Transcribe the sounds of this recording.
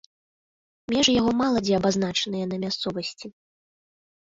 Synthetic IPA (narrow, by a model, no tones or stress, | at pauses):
mʲɛʐjaɣɔmalˠɐd͡zʲiɐbazn̪at͡ʂɐnɨjɛnɐmʲast̪sɔvɐsʲt͡sʲi